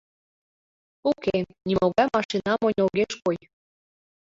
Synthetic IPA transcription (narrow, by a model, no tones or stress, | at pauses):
ukenʲimoɣɑmɑʃinɑmonʲoɣeʃkoj